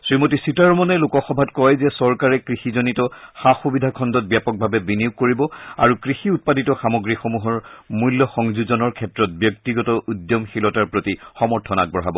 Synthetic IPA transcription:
sɹimotisitaɹmɔnɛlukɔxɔbʱatkɔjzɛsɔɹkaɹɛkɹixizonitɔxaxubidʱakʰɔndɔt̚bjapɔk̚bʱabɛbiniuk̚ːoɹibɔa̰ɹukɹixiut̚paditɔxamɔɡɹixomuɦɔɹmuljɔxɔŋzuzɔnɔɹkʰɛtɹɔt̚bjɔk̚tiɡɔtɔʔudjɔmxilɔtaɹpɹotixɔmɔɹtʰɔnak̚bɔɦabɔ

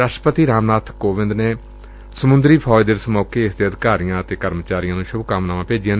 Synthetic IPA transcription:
ɾaːʃʈəpət̪iːɾaːmnaːt̪ʰkoːʋɪ̃nd̪neː | səmʊnd̪ɾiːpʰɔːjd̪eːɾsmɔːkeːɪsd̪eːəd̪ɪkaːɾijãːət̪eːkəɾmət͡ʃaːɾijãːnũːʃʊbkəmnaːʋãːpeːd͡ʒɪjãː

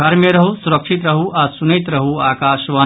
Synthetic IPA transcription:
ɐɾmjɐɾɐɦusuɾɐkʂit̪ɾɐɦuʔasunɐjt̪ɾɐɦuaːkaːʃʋaː

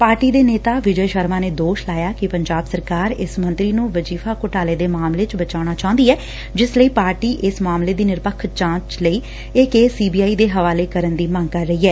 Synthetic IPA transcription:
paːɾʈiːd̪eːneːt̪aːʋɪd͡ʒəjʃəɾmaːneːd̪oːʃlaːjaːkɪpəɲd͡ʒaːbsəɾkaːɾɪsmənt̪ɾiːnũːʋəd͡ʒiːfʰaːkʊʈaːleːd̪eːmaːmleːt͡ʃbət͡ʃaːʊɽ̃aːt͡ʃaɦʊ̃nd̪iːɛː | d͡ʒɪsləiːpaːɾʈiːʔɪsmaːmleːd̪iːnɪɾpəkʰːt͡ʃãːt͡ʃləiː | ɪkeːsiːbiːaːiːd̪eːɦəʋaːleːkəɾənd̪iːmə̃ŋɡkəɾːəiːɛː

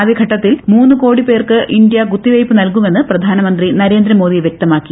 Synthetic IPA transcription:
ɐðeɡʱɐʈːɐt̪ːilmuːnːɨko̞ːɽipe̞ːrkɨʔind̪ijɐɡut̪ːiʋɐjpːɨnɐlkume̞nːɨprɐd̪ʱaːnɐmɐnd̪rinɐɾe̞ːnd̪ɾɐmo̞ːðiʋjek̚t̪ɐmaːkːi

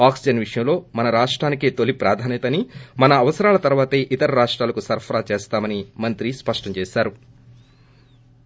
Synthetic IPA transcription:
aːksid͡ʒɐnʋiʂɐjɐmlo̞ːmɐnɐɾaːʂʈɾaːnikeːt̪olipɾaːd̪ʱaːnjɐt̪ɐnimɐnɐːʋɐsɐɾaːlɐt̪ɐɾʋaːt̪eːʔit̪ɐɾɐɾaːʂʈɾaːlɐkusɐɾpʰɐɾaːt͡ʃeːst̪aːmɐnimɐnt̪ɾispɐʂʈɐɲt͡ʃeːʃaːɾu

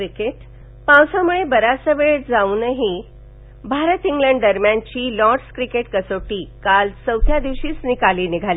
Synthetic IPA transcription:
ɾikeʈ | pãwsãmuɭebəɾasəʋeɭd͡zaũnəɦi | bʱaɾət̪iŋɡləɳɖd̪əɾmjant͡ɕiːlɔʈskɾikeʈkəsoʈiːkalsəwt̪ʰjad̪iʋɕiːsnikaliːniɡʱali

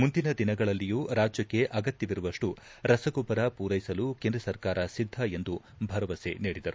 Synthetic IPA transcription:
mund̪inɐd̪inɐɡɐɭɐlːijuːɾaːd͡ʒjɐkːe̞ʔɐɡɐt̪jɐʋiɾuʋɐʂʈu | ɾɐsɐɡɔbɐɾɐpuːɾɐjsɐlukeːnd̪ɾɐsɐɾkaːɾɐsid̪ʱːɐe̞nd̪u | bʱɐɾɐʋɐsḛniːɽid̪ɐɾu

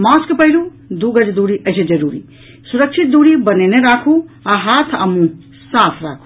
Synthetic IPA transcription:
maskpəɦilu | d̪uɡəd͡ʒd̪uɾiʔəɪsed͡ʒəɾuɾḭ | suɾək̚t͡ʃʰit̪̚d̪uɾibəneneɾakʰuaɦat̪ʰə̰mũ | sat̪ʰɾa̰kʰu̥

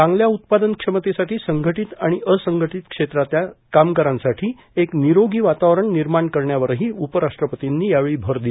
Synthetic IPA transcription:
t͡sãŋɡljaut̪̚pad̪ənkʂəmət̪esaʈiːsəŋɡʱəʈit̪aɽ̃iʔəsəŋɡʱəʈit̪kʂet̪ɾat̪jakamkəɾãnsaʈʰiː | ekniɾoɡiːʋat̪aʋɾəɳniɾmaɳkəɾɳjaʋəɾɦiːupəɾaʂʈɾəpət̪inːiːjaʋeɭiːbʱəɾd̪il

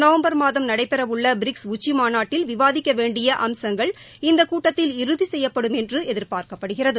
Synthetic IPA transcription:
nɐʋɐmbɐɾmaːðɐmnɐɽɐɪpːɛɾɐʋʊɭːɐbɪɾɪksʊt͡ʃːimaːnaːʈːɪlʋɪʋaːðɪkːɐʋeːɳɖɪjɐʔɐmsɐŋɡɐɭ | ɪnd̪ɐkuːʈːɐt̪ːɪlɪɾɯðisɛjːɐpːɐɽɯmɛndrɯɛðɪɾpaːɾkɐpːɐɽɯɣɪrɐðɯ

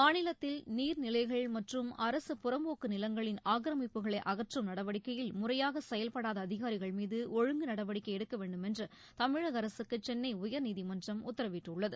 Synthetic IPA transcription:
maːnɪlɐt̪ːɪlniːɾnɪlɐɪɣɐɭmɐʈrɯmɐɾɐsɯpʊrɐmboːkːɯnɪlɐŋɡɐɭɪnaːkɾɐmɪpːɯɣɐɭɐɪʔɐɣɐʈrɯmnɐɽɐʋɐɽɪkːɐjɪlmʊrɐjaːɣɐsɛjɐlpɐɽaːðɐːðɪɣaːɾɪɣɐɭmiːðɯʔɔɻɯŋɡɯnɐɽɐʋɐɽɪkːɐɪɛɽɯkːɐʋeːɳɖɯmɛndrɐ | t̪ɐmɪɻɐɣɐɾɐsɯkːɯt͡ʃɛnːɐɪʊjɐɾniːðimɐndrɐmʊt̪ːɐɾɐʋɪʈːʊɭːɐðɯ

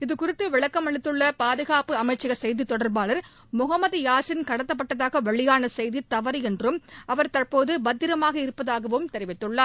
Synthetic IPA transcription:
ɪðɯkʊɾɪt̪ːɯʋɪɭɐkːɐmɐɭɪt̪ːɯɭːɐpaːðɯɣaːpɯɐmɐɪt͡ʃːɐɣɐsɛjðit̪ːɔɽɐɾbaːɭɐɾ | mʊɣɐmːɐðjaːsɪnkɐɽɐt̪ːɐpːɐʈːɐðaːɣɐʋɐɭɪjaːnɐsɛjðit̪ːɐʋɐɾiɛndrɯmʔɐʋɐɾt̪ɐrpoːðɯbɐd̪ːɪɾɐmaːɣɐɪɾɯpːɐðaːɣɐʋɯmt̪ɛɾɪʋɪt̪ːɯɭːaːɾ

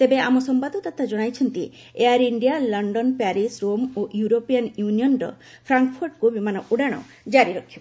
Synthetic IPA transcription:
t̪ebeamɔsɔmpad̪ʱɔt̪at̪ʰad͡ʒɔɽ̃ajt͡ʃʰɔnt̪i | eaɾiɳɖijalɔɳɖɔnpaɾisɾomoʔjuɾopianjunijɔnɾɔ̰ | pʰɾaŋkpʰɔɾʈkubimanɔʔuɽaɽ̃ɔ̰ | d͡ʒaɾiɾɔkʰːib

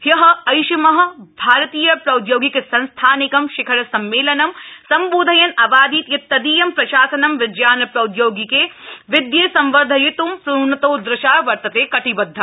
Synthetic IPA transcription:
jɐɦɐ̆ɐjʃɐmɐɦɐ̆bʱaːɾɐt̪iːjɐpɾɐwd̪joːɡikesɐ̃nst̪ʰaːnɪkɐmʃɪkʰɐɾɐsɐmːeːlɐnɐmsɐmboːd̪ʱɐjɐnɐbaːd̪iːt̪jɐt̪ːɐd̪iːjɐmpɾɐʃaːsɐnɐmʋɪd͡ʒjaːnɐpɾɐʊd̪joːɡikeʋɪd̪jesɐ̃mʋɐɾd̪ʱɐjɪt̪umpɾuːnɐt̪oːd̪ɾɪʃaːʋɐɾt̪ɐt̪eːkɐʈibɐd̪ʱːɐ

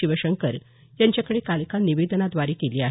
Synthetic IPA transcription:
iʋəɕəŋkəɾ | jãɲt͡ɕjakəɽekalkaniʋed̪ənad̪ʋaɾikeliːaɦ

